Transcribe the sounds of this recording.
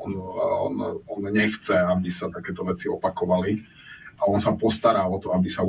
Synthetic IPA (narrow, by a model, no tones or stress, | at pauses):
ɔnɔnɔnɲɛxt͡sɛabisat̪akɛːt̪ɔʋɛt͡siɔpakɔʋali | aɔnsapɔst̪aɾaːɔt̪ɔabisa